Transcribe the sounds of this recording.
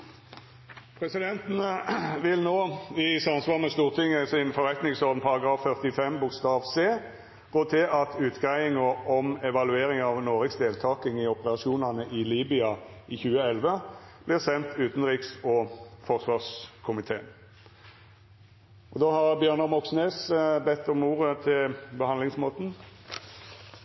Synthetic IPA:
pʰʁɛsɪd̪ɛnt̪ənəʋɪlnoːɪsɑnsʋɑːʁmɛst̪uːʁt̪ʰɪŋəsɪnfɔʁɛt̪nɪŋsɔʁd̪n̩pʰɑʁɑɡʁɑːfːœʁt̪ɪfɛmbʊkst̪ɑːʋseː | ɡ̥oːt̪ʰɪʔɑt̪ʰʉːt̪ɡæɪɪŋɔɔmɛʋɑlʉeːɾɪŋɑʋnoːʁəksd̪eːlt̪ʰɑːkɪŋɪɔpəʁɑʃuːnɑnəʔɪliːbɪɑʔɪçʉːəɛlʋəb̥lɪʁsɛnt̪ʰʉːt̪nʁiːksɔfɔʁsʋɑːʁskʰʊmɪt̪ʰeːn | ʔɔd̪oːhɑʁbjøːʁnəʁmɔksneːsbɛt̪ːɔmuːʁət̪ʰɪlbəhɑnlɪŋsmoːt̪n̩

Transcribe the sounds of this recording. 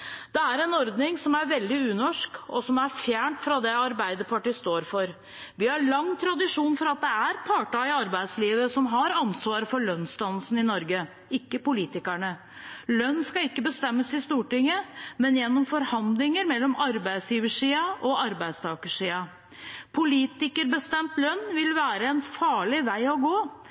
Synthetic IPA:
d̪̥ɛæɾɛnɔɾd̪nɪŋsɔmæɾʋɛld̪ɪʉːnɔʂkɔsɔmæɾfjæːɳʈfɾɑd̪ɛɑɾbæɪd̪əpʰɑʈiːst̪oːɾfɔɾ | ʋɪhɑɾɭɑŋːt̪ʰɾɑd̪ɪʂuːnfɔɾɑt̪̚d̪ɛæɾpʰɑːʈɑɪɑɾbæɪd̪sliːʋəsɔmɦɑɾɑnsʋɑːɾəfɔɭœnst̪ɑnːəlsn̩ɪnɔɾɡə | ɪkːəpʊliːt̪ɪkæɳə | lœnːskɑɪkːəbəst̪ɛmːəsɪst̪uːʈɪŋːəmɛnjɛnːɔmfɔɾhɑnd̪lɪŋəɾmɛlːɔmɑɾbæɪd̪sjiːʋəʂiːɑʔɔɑɾbæɪd̪st̪ʰɑːkəʂiːɑ | pʰʊliːt̪ɪkəɾbəst̪ɛmt̪lœnːʋɪlʋæːɾəɛnfɑːɭɪʋæɪɔɡoː

